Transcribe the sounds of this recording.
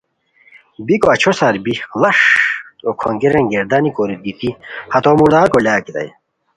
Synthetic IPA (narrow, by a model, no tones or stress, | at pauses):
bikoɐt͡ɕʰosɐɾbilɐʂokʰoŋɡiɾeŋɡeɾd̪anikoɾit̪̚d̪it̪ihɐt̪oːmuɾd̪aːɾkolaːkit̪ɐ̰j